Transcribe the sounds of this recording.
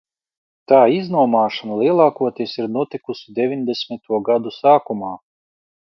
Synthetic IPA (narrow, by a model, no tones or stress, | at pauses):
t̪aːiznuɔmaːʃanalˠiɛlˠɑːkuɔt̪isiɾnuɔt̪ikusud̪evʲinʲd̪esʲmʲit̪uɔɡad̪usaːkumaː